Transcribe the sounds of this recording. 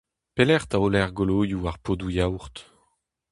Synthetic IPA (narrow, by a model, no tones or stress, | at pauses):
pelɛʁt̪aolɛʁɡoloːjuaʁpʰod̪ujawʁt̪